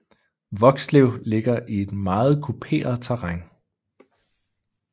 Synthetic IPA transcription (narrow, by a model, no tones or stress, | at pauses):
ʋɒ̽ɡ̥sleʊ̰le̝ɡ̥ɐʔie̝d̥mɑ̈ːð̞̩ˠkʰupʰe̝̰ːɐð̞̩ˠt͡sʰæʁaŋ